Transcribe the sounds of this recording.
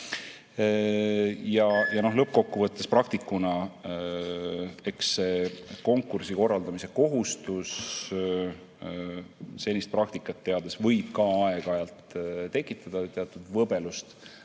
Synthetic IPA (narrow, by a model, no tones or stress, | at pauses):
jɑjɑno̞ɦlɤp̚ːko̞kːuvɤt̪ːesprɑkt̪ikːˑunɑ | e̞kse̞ko̞ŋkːˑursiko̞rːɑld̪ɑmise̞ko̞ɦust̪us | se̞nʲist̪prɑk̚t̪ikːˑɑt̪ːe̞ɑd̪̥esvɤjb̥̚kɑɑe̞ɡ̥ɑjɑlt̪t̪e̞kːˑit̪ːˑɑd̪̥ɑt̪eɑt̪ːˑud̪vɤbe̞lust̪